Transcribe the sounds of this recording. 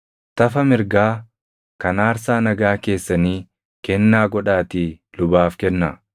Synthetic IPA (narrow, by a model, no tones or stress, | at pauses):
t̪ɐfɐmɪɾɡaː | kɐnaːɾsaːnɐɡaːke̞ːsːɐniː | kɛnːaːɡɔᶑaːt̪iː | lʊbaːfkɛnːa